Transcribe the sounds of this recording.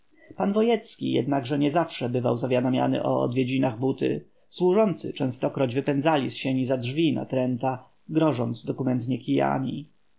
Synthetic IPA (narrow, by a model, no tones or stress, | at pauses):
panvɔjɛt̪skʲḭjɛ̰d̪naɡʐɛɲɛzafʂɛbɘva̰wzavʲjad̪amʲja̰nɘ̰ʔɔ̰ɔ̰d̪vʲjed͡ʑinaɣbut̪ɘ̰ | swuʐɔnt̪sɘt͡ʂɛ̃w̃st̪ɔkɾɔd͡ʑvɘpɛnd̪zalʲisɕɛɲizadʐvʲina̰t̪ɾɛnt̪a | ɡɾɔʐɔnt̪sd̪ɔkumɛnt̪ɲɛkʲija̰ɲʲḭ